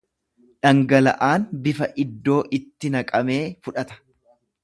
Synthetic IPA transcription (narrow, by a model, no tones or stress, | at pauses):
ᶑɐŋɡɐlɐ̰ʔaːnbɪfɐʔɪd̪ːo̞ːʔɪt̪ːɪnɐkʼɐme̞ːfʊᶑɐt̪ɐ̥